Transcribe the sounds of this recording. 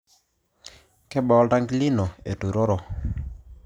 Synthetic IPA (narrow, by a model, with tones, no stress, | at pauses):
kɛ˦ɓa˨ɔ˦da˦ŋɡli˦nɔ˨ḛ˨tu˨ɾɔ˦ɾɔ˦